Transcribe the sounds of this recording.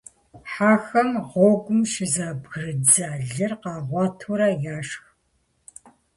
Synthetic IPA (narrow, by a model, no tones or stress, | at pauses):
ħaːxɐmʁɔːɡʷʊmʃɪzaːbɣɨrɨd͡zaɮɨrqɑːʁʷɑːtʰuɾɐjaːʂx